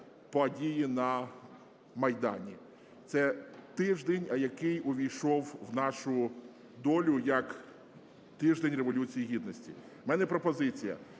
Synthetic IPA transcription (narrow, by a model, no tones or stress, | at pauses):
pɔdʲijinɐ | mɐjd̪ɑ̰nʲi | t̪sɛt̪ɪʒd̪enʲɐjɐkɪjʊʋʲijʃɔwwnɑʃʊ | d̪ɔlʲʊjɐk | t̪ɪʒd̪enʲreʋɔlʲut͡sʲijiɦʲid̪̚nɔsʲtʲḭ | mɛnɛpɾɔpɔzɪt͡sʲijɐ̰